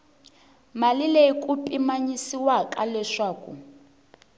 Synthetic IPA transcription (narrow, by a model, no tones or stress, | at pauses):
malileikupʼimaɲisiwakʼalɛʂaːkṵ